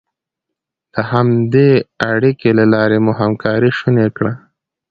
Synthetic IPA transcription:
d̪̥əhamd̪eaɽikelalɑɾemuɦamkʰɑɾiʃunekɽa

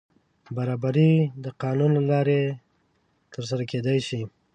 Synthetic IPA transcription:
baɾɑbaɾid̪əqɑnunlalɑɾe | t̪ʰəɾs̬aɾaked̪ajʃi

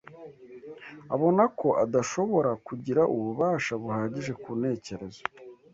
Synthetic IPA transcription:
aβo̞nako̞ʔadaʃo̞βo̞ɾakuɟiɾaʔuβuβaːʃaβuhaːɟiʒe̞kuːne̞ːce̞ɾe̞zo

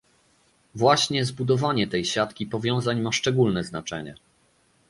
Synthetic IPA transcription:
vwaɕɲɛzbud̪ɔvaɲɛt̪ɛjɕat̪kʲipɔvʲjɔ̃w̃zaɲmaʂt͡ʂɛɡulnɛznat͡ʂɛ̰ɲɛ̰

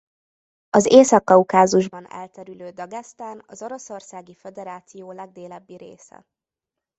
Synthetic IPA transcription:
ɒzeːsɒkːɒukaːzuʒbɒnɛ̰lt̪ɛɾyløːd̪ɒɡɛst̪aːnɒzo̞ɾo̞so̞rsaːɡifɛd̪ɛɾaːt̪sijoːlɛɡ̚d̪eːlɛbːiɾḛːsɛ̰

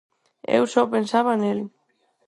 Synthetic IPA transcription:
ḛwsɔpensaβanel

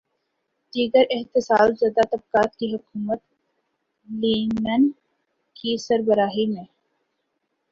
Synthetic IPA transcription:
ɖiːɡəɾɪɦt̪ɪsaːlzjaːd̪at̪ɐb̚kaːt̪kiɦʊkuːmət̪ | liːnən | kisəɾbəɾaːɦimẽː

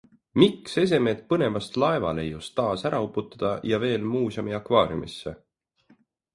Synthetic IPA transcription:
mikse̞s̬e̞me̞ːt̪̚pɤne̞vɑst̪lɑevɑ̰le̞jːust̪ːɑːsæɾɑupːˑut̪ːˑɑ̥d̪̥ɑjɑve̞ːlmuːsɑmiɑkvɑːɾjṵmisːe̞̰

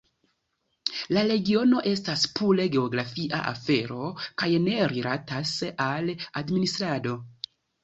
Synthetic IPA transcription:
laɾe̞ɡio̞no̞ʔe̞staspule̞ɡe̞o̞ɡɾafiʔa̰ʔa̰fe̞ɾo̞kajne̞ɾiɾatasaladministɾado̞

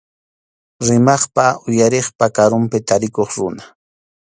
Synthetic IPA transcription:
ɾɪmɑχpaʔʊjaɾeχpakaɾʊmpɪt̪aɾɪkoχɾʊna

